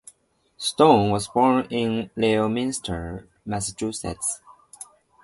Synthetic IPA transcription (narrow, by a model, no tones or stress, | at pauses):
stõʊ̃nwʌzbɔɹnɪ̃nleomɪnstʰə˞ | mæsət͡ʃusɛ̰ts